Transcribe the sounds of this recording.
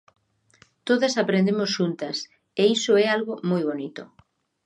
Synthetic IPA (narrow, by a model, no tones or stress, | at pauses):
t̪oðasapɾend̪emosʃunt̪ɐs | eisoɛalɣomojβ̞onit̪o